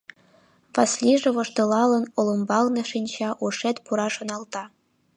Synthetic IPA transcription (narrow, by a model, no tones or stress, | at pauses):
pɑsʲlʲiʐĕβŏʂt̪ɤ̆lˠɑlɤ̆nŏlˠɤ̆mbɑlnɤ̆ʂinʲɕɑʔuʂet̪puɾɑʂŏnɑlˠt̪ɑ